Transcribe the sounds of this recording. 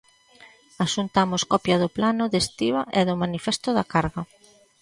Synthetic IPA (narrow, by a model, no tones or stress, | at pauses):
aʃunt̪amʊskɔpjɐðʊplanʊðest̪iβaʔɛðʊmanifɛst̪ʊðakaɾɣɐ